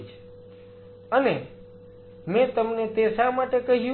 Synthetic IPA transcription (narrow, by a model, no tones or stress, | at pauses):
t͡ʃʰ | əne | mɛ̃t̪əmnet̪esamaʈekəɦjũ